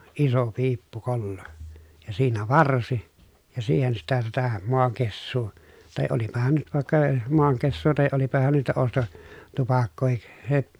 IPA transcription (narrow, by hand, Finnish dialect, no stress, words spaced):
iso piːpːukolːo jɑ siːnæ ʋɑrsi jɑ siːhen sitæ sitæ moɑŋkesːuː tɑˑe olipɑhɑn nyt ʋɑˑekːɑ moɑŋkesːuː tɑˑe olipɑhɑn niːtæ osto tupɑkːoːhik se